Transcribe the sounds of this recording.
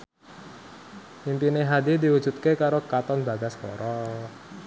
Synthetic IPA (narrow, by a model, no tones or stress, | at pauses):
impineɦad̪id̪iwud͡ʒ̥ṳt̪̚kekaɾokat̪ɔnbaɡaskɔ̰ɾɔ